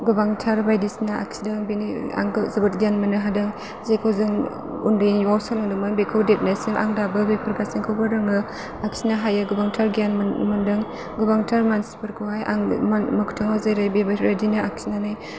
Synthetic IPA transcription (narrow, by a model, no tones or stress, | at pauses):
ɡɯbaŋtʰaɾbajdisinaa̰ksidɯŋbinia̰ŋɡzɯbɯt̚ɡjanmɯnɯɦadɯŋ | zajkʰowzɯŋ | undɯjnwawsalŋadɯmɯŋbekʰɯwdep̚najsiŋʔa̰ŋdabɯbepʰəɾɡasiŋkʰɯwbɯɾɯŋɯ | aksinaɦajaɡɯbaŋtʰaɾɡianmɯndɯŋ | ɡɯbaŋtʰaɾmansi̥pɯɾkʰuajʔa̰ŋmamakʰu̥tʰaŋawzajɾajbebaɾedinɯak̚sinanaj